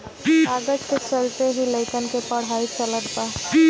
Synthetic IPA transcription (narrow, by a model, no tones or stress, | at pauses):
aːɡəʈket͡ʃəlt̪eɦiləɪkənkepɐɽ̤ɦaːit͡ʃɐləd̪̚pa